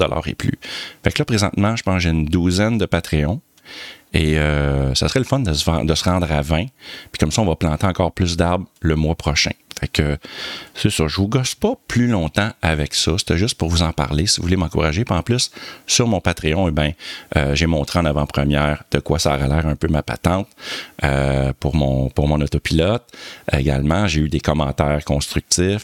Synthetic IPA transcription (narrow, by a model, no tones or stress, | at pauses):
d̪ɔ̰lʔɑ̰ːʁḛply̰faklʌpʁezɑ̰̃t̪mɑ̃ʒə̥pɑ̃sʒend̪uzɛnd̪əpat̪ʁeɔ̃ | eøsasʁɛləfɔnd̪əsvɑ̃d̪əsəʁɑ̃d̪ʁavɛ̃pi̥kɔmsɔɔ̃vʌplɑ̃t̪eɑ̃kɑːʁplʏs̬d̪aʁbləmwapʁɔʃɛ̰̃fɛkøsesyʁʒəvuɡɔspɔplylɔ̃t̪ãavɛksʌse̥t̪ɛʒʏst̪̚pʊʁvuzɑ̃pa̰ʁlesivuvulemɑ̃kuʁaʒepɑ̃plʏsːyʁmɔ̃pat̪ʁeɔ̃ebɛ̃ə̰ʒemɔ̃t̪ʁeɑ̃navãpχəmjɛːʁd̪̥əkwasaɔʁalɛːʁœ̃pømapa̰t̪ɑ̃t̪ø̰puʁmɔ̰̃puʁmɔ̃nɔt̪opilɔt̪ḛɡʲa̰lmɑ̃ʒeyd̪ekɔmɑ̃ːt̪ɛːʁkɔ̃st̪ʁyk̚t̪sɪf